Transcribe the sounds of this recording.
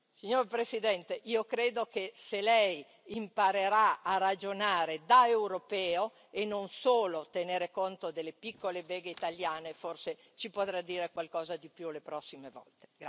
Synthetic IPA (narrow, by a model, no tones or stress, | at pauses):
siɲoɾpɾesid̪ɛnt̪eʔiːokɾeːd̪okeselɛj | impaɾeɾaarad͡ʒonaːɾed̪aewɾopɛːo | enonsoːlot̪eneːɾekont̪od̪elːepikːolebeːɡeit̪aljaːneforse | t͡ʃipot̪ɾad̪ːiːɾekwalkɔːzad̪ipjulepɾɔsːimevɔ̰lt̪e̥ɡa